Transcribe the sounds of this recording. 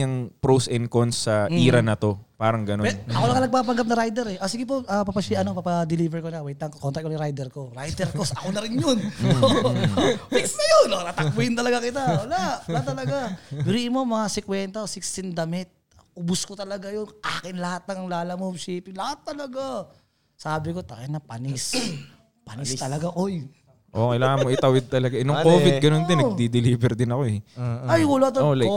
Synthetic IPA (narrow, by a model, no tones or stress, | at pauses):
ɐŋpɾowsɛnkonsːɐʔiːɾɐnɐt̪o̞paːɾɐŋɡɐnopɛɐkolɐŋɐnɐɡ̚paːpɐŋɡap̚nɐɾajd̪ɛɾɛʔosiɡɪp̬oʔapapɐsiɐnopapɐd̪ɪliːvɛɹkonawɛjt̪ːɐŋkokont̪ɐk̚ːonjɾajd̪ɛɾkoɾajd̪ɛɾkosɐkonɐɾɪnjono | ɪsnɐjonot̪at̪ɐk̚wʊɪnt̪ɐlɐɡakɪt̪awɐlaʔlɐt̪ɐlɐɡabɾiʔɪmomɐŋasɛkwɛnt̪ɐsɪkst̪ɪnd̪ɐmɪt̪̚ | ʔʊbʊskot̪ɐlɐɡajonʔaːkɪnlɐhat̪̚nɐŋlaːlɐmobsiːpɪlɐhat̪ːɐlɐɡa | saːbɪko̞t̪ɐkɪnɐpɐnɪs | pɐnɪst̪ɐlɐɡakoj | ʔokɐjlaːŋɐnmoʔɪt̪ɐwɪd̪̚t̪ɐlɐɡaʔɛnoŋkkoːvɪɡɐnond̪ɪnɐɡd̪id̪ɪliːbɛɾd̪ɪnɐkoɛoajwɐlat̪ɐol